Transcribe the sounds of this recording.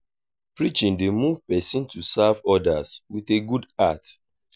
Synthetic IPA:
pɹit͡ʃĩndemuv̥pɛsĩntʰusavɔdaswiθeɡudat

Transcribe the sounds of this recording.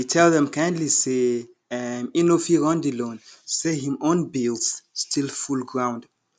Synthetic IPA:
itʰɛlðɛ̃mkãj̃ndlise | ɛmĩnofiɹɔ̃ndilõnsehĩmõnbilˠsstʰilfulˠɡɹãw̃nd

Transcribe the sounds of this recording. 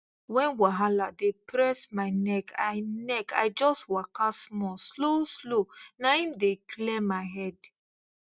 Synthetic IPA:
wɛ̃nwaɦaladepʰɹɛsmaɪnɛkʰajnɛkajd͡ʒɔstwakasmɔsloslonaĩmdeklɛmaɪɦɛd

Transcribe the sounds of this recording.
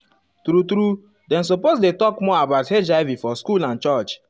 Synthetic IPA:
tɾutɾu | dɛ̃ns̬oposdetɔkmɔabaʊthed͡ʒaɪvifɔskulãnt͡ʃɔt͡ʃ

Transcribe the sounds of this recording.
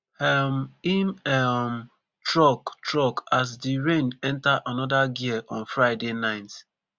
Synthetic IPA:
ɛmimɛm | tɹɔktɹɔkas̬diɹẽnɛ̃ntaʔanɔdaɡiəʔɔ̃nfɹaɪdenãɪ̃nt

